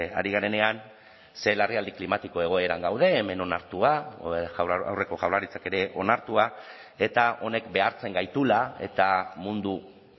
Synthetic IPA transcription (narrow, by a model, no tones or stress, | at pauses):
a̰ɾiɣane̞ne̞an | se̞lariald̪iklimat̪iko̞e̞ɣ̞o̞e̞ɾaŋɡawð̞e̞ːme̞no̞naɾt̪ua | a̰wre̞ko̞ʝawrlaɾit͡sake̞ɾe̞ʔo̞naɾt̪ua | e̞t̪ao̞ne̞kbe̞aɾt͡se̞ŋɡajt̪ulae̞̰t̪amund̪u